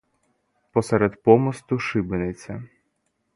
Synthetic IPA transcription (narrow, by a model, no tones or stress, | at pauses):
pɔsɛɾɛd̪pɔmɔst̪ʊʃɪbɪnet͡sʲːɐ